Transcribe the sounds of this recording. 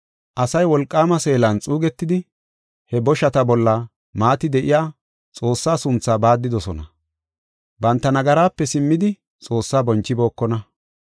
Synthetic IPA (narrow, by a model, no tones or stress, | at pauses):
ʔɐsɐjwɔlkʼːaːmɐse̞ːlɐnt͡sʼuːɡɛt̪ːɪd̪ɪ | hɛbɔʃɐt̪ɐbɔlːɐ | maːt̪ɪd̪ɛʔɪjaː | t͡sʼo̞ːsːaːsʊnt͡sːaːbaːd̪ːɪd̪ɔsɔnɐ | bɐnt̪ːɐnɐɡɐɾaːpːɛsɪmːɪd̪ɪ | t͡sʼo̞ːsːaːbɔnt͡ʃːɪbo̞ːkːɔnɐ